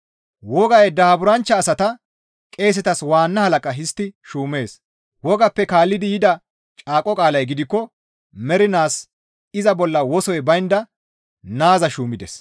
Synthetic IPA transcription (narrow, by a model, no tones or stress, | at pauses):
wɔɡɐjɛd̪ɐɐbʊɾɐnt͡ʃːɐːsɐt̪ɐ | kʼe̞ːs̬ɛt̪ɐswaːnːɐhɐlɐkʼɐɦɪst̪ːɪʃuːme̞ːs | wɔɡɐpːɛkaːlːɪd̪ɪjɪd̪ɐ | t͡ʃʼaːkʼːɔkʼaːlɐjɡɪd̪ɪkːɔ | mɛɾɪnaːs | ɪzɐbɔlːɐwɔsɔjbɐjɪnd̪ɐ | naːzɐʃuːmɪd̪ɛ̰s